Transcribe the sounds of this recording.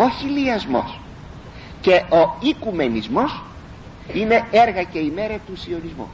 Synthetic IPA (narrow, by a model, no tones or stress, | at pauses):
o̞çiliɐzmo̞̰s | ce̞o̞ikume̞nizmo̞s | ine̞e̞ɾɣɐce̞ime̞ɾɐt̪usio̞nizmṵ